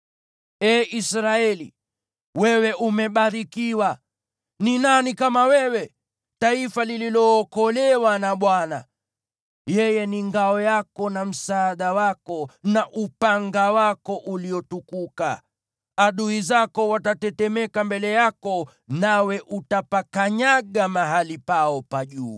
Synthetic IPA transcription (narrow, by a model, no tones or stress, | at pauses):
ɛːʔisɾaɛlḭ | wɛwɛʔumɛɓaɾikiwa | ninanikamawɛwɛ | taifalililɔːkɔlɛwanaɓwana̰ | jɛjɛniŋɡaɔjakɔnam̩saːɗawakɔnaʔupaŋɡawakɔʔuliɔtukuka | aɗuizakɔwatatɛtɛmɛkambɛlɛjakɔ | nawɛʔutapakaɲaɠamaɦalipaɔpaʄuː